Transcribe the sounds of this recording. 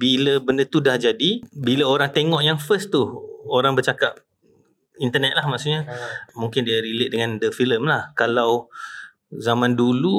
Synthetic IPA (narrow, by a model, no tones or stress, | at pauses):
biləbəndət̪udahd͡ʒadibiləoɾaŋt̪eŋɔʔjaŋfəst̪uoɾaŋbət͡ʃakap̚ | int̪ənɛt̪̚lahmaʔsuɲamuŋkɪndiaɾilɪʔ̚dəŋãndəfiləmlahkalaw | zamãndulu